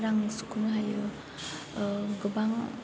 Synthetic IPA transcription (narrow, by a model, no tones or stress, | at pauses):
ɾaŋsu̥kʰunɦajɯ | ɡɯbaŋ